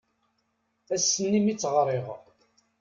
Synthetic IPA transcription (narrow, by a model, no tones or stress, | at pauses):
æsːənːimit͡sːʁəɾˤiʁə